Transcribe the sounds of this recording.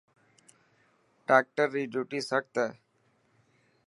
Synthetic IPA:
ʈaːk̚ʈəɾːiːd͡ʒuːʈiːsək̚t̪ɛː

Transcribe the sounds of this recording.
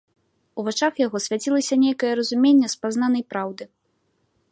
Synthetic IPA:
uvat͡ʂaxjaɣɔsʲvʲat͡sʲilˠɐsʲɐnʲejkɐjɛɾɐzumʲenʲːɛspazn̪anɐjpɾawd̪ɨ

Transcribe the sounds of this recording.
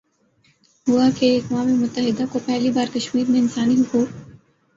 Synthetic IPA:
ɦʊakeɐkwaːmemʊt̪ːəɦɪd̪akopɛɦlibaːɾkɐʃmiːɾmẽɪnsaːniɦʊkuːɾ

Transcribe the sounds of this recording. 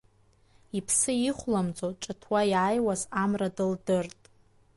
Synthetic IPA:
ipʰsɨiχʷlamd͡zʼoʈ͡ʂʼatʰwajʕajwazamradɨldɨrtʼ

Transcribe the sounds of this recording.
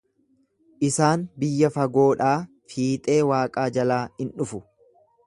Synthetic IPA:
ʔɪsaːnbɪjːɐfɐɡo̞ːᶑaː | fiːt̪ʼe̞ːwaːkʼaːd͡ʒɐlaːɪnᶑʊfʊ

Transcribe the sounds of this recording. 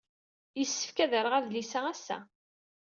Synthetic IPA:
jəsːə̥fkæðəɾəʁæðlisææsːæ̰

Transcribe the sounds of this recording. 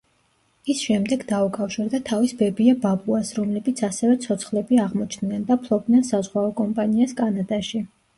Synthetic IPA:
isʃɛmd̪ɛɡd̪aukʼafʃiɾd̪at̪ʰavisbɛbiababuasɾɔmlɛbit̪sʰasɛvɛt̪sʰɔt̪sʰχlɛbiaʁmɔt͡ʃʰnnɛnd̪apʰlˠɔb̚d̪nɛnsazʁwaɔkʼɔmpʼaniaskʼanad̪aʃi

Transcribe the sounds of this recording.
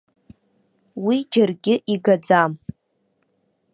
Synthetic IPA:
wid͡ʒarɡʲɪʔiɡad͡zam

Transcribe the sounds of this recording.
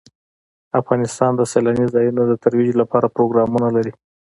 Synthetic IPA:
afɣɑnɪst̪ɑnd̪əselɑnizɑjunod̪ət̪aɾwid͡ʒlapɑɾapɾoɡɾɑmunalaɾi

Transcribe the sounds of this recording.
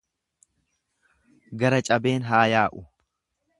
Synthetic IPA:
ɡɐɾɐt͡ʃʼɐbe̞ːnɦaːjaːʔʊ

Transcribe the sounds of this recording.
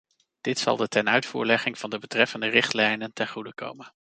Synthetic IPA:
d̥ɪtsɑ̰lˠdətɛnœɥtfṵːɹlɛχɪŋv̥ɑndəbətrɛfəndərɪχtlɛjnəntɛnχudəko̰wmən

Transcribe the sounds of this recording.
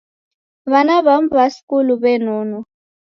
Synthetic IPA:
βanaβam̩βasi̥kʼuluβɛnɔːnɔ

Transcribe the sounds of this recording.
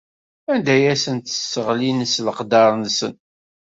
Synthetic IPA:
ænd̪æjæsənt̪ə̥sːəʁlinəsləqd̪ɑɾˤnsə̰n

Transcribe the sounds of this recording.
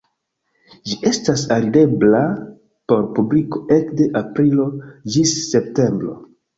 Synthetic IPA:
d͡ʒiʔe̞stasaɾide̞bla | po̞ɾpubliko̞ʔe̞kde̞ʔapɾilo̞d͡ʒisːe̞pte̞mbɾo̞̰

